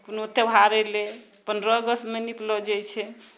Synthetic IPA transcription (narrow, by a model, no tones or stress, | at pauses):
punot̪ebʱaɾɛle | pənɾɔəɡəsmeniplɔd͡ʒɛjt͡ʃʰɛ